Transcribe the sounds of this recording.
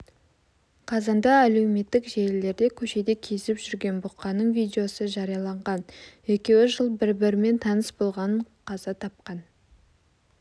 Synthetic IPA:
qʰɑzɑnd̪ɑæle̞wme̞t̪ːɪkʒeɪle̞ɾd̪e̞kʲʰɵʃe̞d̪e̞kʲʰe̞sɪpʒʏɾɡʲe̞nbʊqːɑnəɴvijd̪eo̞səʒɑɾijɑlˠɑɴʁɑnwekʲe̞wɪʒəlˠbɪɾbɪɾɪme̞nt̪ʰɑnəsbo̞lˠʁɑnəɴqʰɑzɑt̪ʰɑp̚qɑn

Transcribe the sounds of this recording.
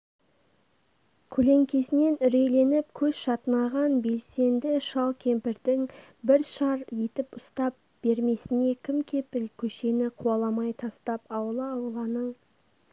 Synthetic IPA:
kʲʰɵle̞ŋkʲe̞sɪne̞nʏɾe̞jle̞nɪpkʲʰɵz̥ʃɑt̪ənɑʁɑnbe̞lse̞nd̪ɪʃɑlˠkʲʰe̞mpɪɾd̪ɪŋ | bɪɾʃɑɾje̞t̪ɪpʊst̪ɑp̚ | b̥e̞ɾme̞sɪne̞kʲʰɪmkʲʰe̞pɪlkʲʰɵʃe̞nɪqʰuɑlˠɑmɑjt̪ʰɑst̪ɑpɑwəlˠəɑwəlˠɑnəɴ

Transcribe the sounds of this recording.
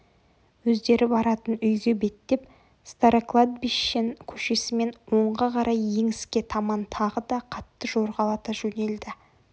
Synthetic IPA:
wɵzd̪e̞ɾɪbɑɾɑt̪ənʏjɡʲe̞be̞t̪ːe̞p̚ | st̪aɾeklˠad̪̚biʃːenkʲʰɵ̥ʃe̞sɪme̞nwo̞ɴʁɑqʰɑɾʔɑjːe̞ŋɪskʲe̞t̪ʰɑmɑnt̪ʰɑʁəd̪ɑqʰɑt̪ːəʒo̞ɾʁɑlˠɑt̪ɑʒɵne̞ld̪ɪ

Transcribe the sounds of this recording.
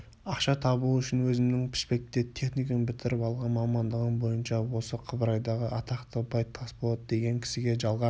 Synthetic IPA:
ɑqʃɑt̪ʰɑbuʏʃɪnwɵzɪmnɪŋpʰɪ̥spe̞k̚t̪ːe̞t̪ʰe̞χnijkənbɪt̪ʰɪɾɪpɑlˠʁɑnmɑmɑnd̪əʁənbo̞jənʃɑwo̞səqʰəbəɾɑjd̪ɑʁəʔɑt̪ʰɑqt̪ʰəbɑjt̪ʰːɑsbo̞lˠɑd̪əd̪e̞ɡʲe̞ŋkʲʰɪ̥sɪɡʲe̞ʒɑlˠʁɑ

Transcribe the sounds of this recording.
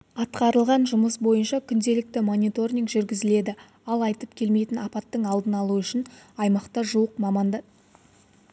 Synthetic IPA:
ɑt̪qɑɾəlˠʁɑnʒʊməsbo̞jənʃɑkʲʰʏnd̪e̞lɪk̚t̪ɪmo̞nʲit̪o̞rʲnʲiŋkʒʏɾɡʲɪzɪle̞d̪ɪ | ɑlˠɑjt̪əpkʲʰe̞lme̞jt̪ɪnɑpɑt̪ːəɴɑlˠd̪ənɑlˠuʏʃɪnɑjmɑqt̪ɑʒuəqmɑmɑnd̪ə

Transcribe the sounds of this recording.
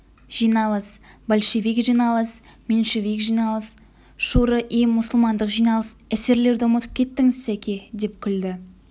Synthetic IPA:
ʒ̥ijnɑlˠəsbolʲʃevikʒijnɑlˠəs | menʃevikʒijnɑlˠəs | ʃuɾəʔimʊsəlˠmɑnd̪əqʒijnɑlˠəsæse̞ɾle̞ɾd̪omət̪ə̥p̚kʲʰe̞t̪ːɪŋɪzsækʲed̪e̞pkʲʰʏld̪ɪ

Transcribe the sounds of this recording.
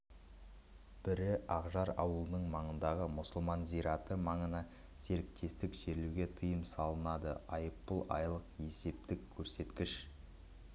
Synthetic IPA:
b̥ɪɾɪɑʁʒɑɾɑwəlˠənəɴmɑɴənd̪ɑʁəmʊsʊlˠmɑnzijɾɑt̪əmɑɴənɑ | se̞ɾɪk̚t̪ʰe̞st̪ɪkʒ̥e̞ɾluɡʲe̞t̪ʰəjəmsɑlˠənɑd̪əɑjəpːəlˠʔɑ̰jlˠəqe̞se̞p̚t̪ɪkʲʰːɵɾse̞t̪kʲɪʃ

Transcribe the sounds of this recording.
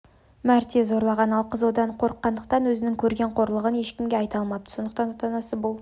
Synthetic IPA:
mæɾt̪e̞zo̞ɾlˠɑʁɑnɑlˠqʰəzwod̪ɑɴqʰoɾəqːɑnd̪əq̚t̪ɑnwɵzɪnɪŋkʲʰɵɾɡʲe̞ɴqʰo̞ɾlˠəʁəne̞ʃkʲɪmɡʲeɑjt̪ɑlˠmɑp̪̚əso̞nd̪əqt̪ɑnɑt̪ɑnɑsəbʊlˠ

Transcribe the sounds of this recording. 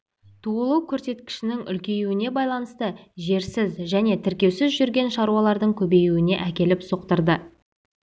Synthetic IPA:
t̪ʰuəlˠəwkʲʰɵɾse̞t̪kʲɪ̥ʃɪnɪŋʏ̰lkʲe̞juwɪne̞bɑjlˠɑnəst̪əʒe̞ɾsɪzʒæne̞t̪ʰɪɾkʲe̞wsɪzʒʏɾɡʲe̞nʃɑɾuɑlˠɑɾd̪əɴkʲʰɵbe̞juwɪne̞ʔækʲe̞lɪpso̞q̚t̪əɾd̪ə

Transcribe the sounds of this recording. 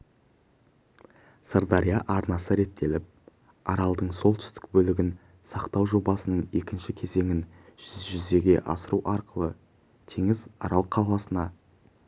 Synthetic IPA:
səɾd̪ɑɾijaʔɑɾnɑsəɾe̞t̪ʰːe̞lɪp̚ | ɑɾɑlˠd̪əɴso̞lˠt̪ʏ̥st̪ɪ̥k̚bɵlɪɡʲɪn | sɑqt̪ɑwʒo̞bɑsənəɴe̞kʲɪnʃɪkʲʰe̞ze̞ŋɪn | ʒ̥ʏzʒʏze̞ɡʲe̞̰ʔɑ̰səɾuwʔɑɾqəlˠə | t̪ʰiŋɪzɑ̰ɾɑlˠqʰɑwlˠɑsənɑ

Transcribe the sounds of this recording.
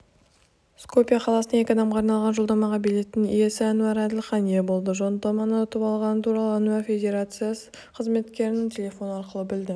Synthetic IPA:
sko̞pʲijaqʰɑlˠɑsəne̞kʲɑd̪ɑmʁɑːɾnɑlˠʁɑnʒo̞lˠd̪ɑmɑʁɑbile̞t̪ːnɪŋije̞sɪænuɑɾæd̪ɪlʲχɑnijebo̞lˠd̪əʒo̞nt̪ɑmɑnəʊt̪əpɑlˠʁɑnət̪ʰuɾɑlˠəanuafʲe̞dʲe̞ɾat̪sɨjas | qʰəzme̞t̪kʲe̞ɾɪnɪŋt̪ʲʰe̞lʲe̞fo̞nɑɾqəlˠəbɪld̪ɪ

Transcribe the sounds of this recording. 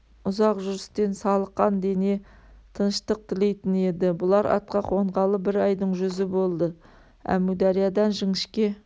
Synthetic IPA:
ʊzɑqʒʏɾɪst̪e̞nsɑlˠəqːɑnd̪ene̞ | t̪ʰənʃt̪əq̚t̪ʰɪle̞jt̪ɪne̞d̪ɪbʊlˠɑɾɑ̰t̪̚qɑqʰo̞ɴʁɑlˠəbɪɾɑjd̪əɴʒʏzɪbo̞lˠd̪ə | æ̰mud̪ɑɾijɑd̪ɑnʒəŋɪʃkʲe̞

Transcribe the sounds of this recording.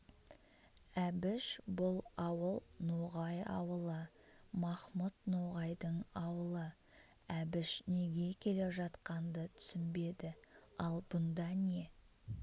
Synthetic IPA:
æbɪʃbʊlˠɑwəlˠnoʁɑjɑ̰wəlˠə | mɑχmut̪noʁɑjd̪əɴɑwəlˠə | æbɪʃne̞ɡʲe̞kʲʰe̞le̞ʒɑt̪qɑnd̪ət̪ʰʏ̥sɪnbe̞d̪ɪɑlˠbʊnd̪ɑne̞

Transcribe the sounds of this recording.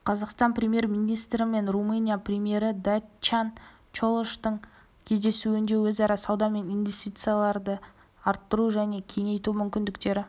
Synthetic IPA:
qʰɑzɑqst̪ɑnpɾʲemje̞ɾmʲijnʲijst̪ɾɪme̞nrumɨnʲijaprʲemʲije̞ɾɪd̪at͡ʃan | t͡ʃolˠoʃt̪əɴ | kʲʰe̞zd̪e̞suɪnd̪e̞wɵzɑɾɑsɑwd̪ɑme̞nijnvʲest̪ijt̪sɨjalˠɑɾd̪ə | ɑɾt̪ːəɾuʒæne̞kʲʰe̞ŋe̞jt̪umʏmkʲɪnd̪ɪkt̪e̞ɾɪ

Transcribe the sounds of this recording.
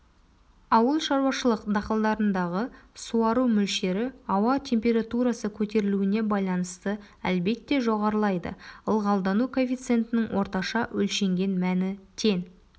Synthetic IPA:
ɑwəlˠʃɑɾwɑʃəlˠəqd̪ɑqəlˠd̪ɑɾənd̪ɑʁəsuɑɾumʏlʃe̞ɾɪɑwɑt̪ʰe̞mpʲe̞ɾat̪uɾɑsəkʲʰɵt̪e̞ɾɪluɪne̞bɑjlˠɑnəst̪ə | ælbe̞t̪ːe̞ʒo̞ʁɑɾəlˠɑjd̪ə̰əlˠʁɑlˠd̪ɑnukʰo̞fʲit̪sɨe̞nt̪ɪnɪŋwʔo̞ɾt̪ɑʃɑʔɵlʃe̞ŋɡʲe̞nmænɪt̪ʰe̞ŋ

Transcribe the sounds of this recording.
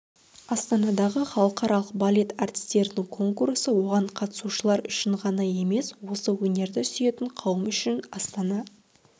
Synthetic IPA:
ɑst̪ɑnɑd̪ɑʁəχɑlˠəqɑɾɑlˠəq̚balʲe̞t̪ɑrt̪ʲɪ̥st̪e̞ɾɪnɪŋkʰo̞ŋkursəwo̞ʁɑɴqʰɑt̪ə̥suʃəlˠɑɾʏʃɪɴʁɑnɑje̞me̞swo̞səwɵne̞ɾd̪ɪsʏje̞t̪ɪŋqʰɑwəmʏʃɪnɑst̪ɑnɑ

